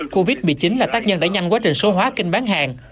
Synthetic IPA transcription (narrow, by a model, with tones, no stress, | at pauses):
ko˧vi˦˥t̚mɨ˨˩t͡ɕi˨˦nlaː˨˩t̪aː˦˥k̚ɲə˧nɗa̰ː˧˥ɲa˧ŋkwaː˨˦˥t͡ɕï˨˩ŋ̟so˨˦ɦwaː˨˦kï˧ŋ̟ɓaː˨˦nɦaː˨˩ŋ